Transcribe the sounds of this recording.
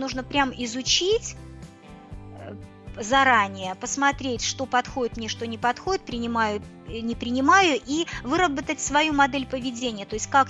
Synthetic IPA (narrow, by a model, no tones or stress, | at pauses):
nuʐnəpɾʲamɪzʊt͡ɕitʲ | zɐɾanʲɪjəpəsmɐt̪ɾʲetʲʂt̪o̞pɐt̪xo̞dʲɪt̪mnʲeʂt̪o̞nʲɪpɐt̪xo̞dʲɪt̪̚pɾʲɪnʲɪmajʊ | nʲɪpɾʲɪnʲɪmajʊʔivɨɾəbət̪ətʲsvɐjumɐd̪ɛlʲpəvʲɪdʲenʲɪjət̪o̞ɪsʲtʲkak